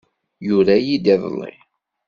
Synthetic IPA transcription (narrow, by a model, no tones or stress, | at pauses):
jʊɾæjid̪iðˤlːḭ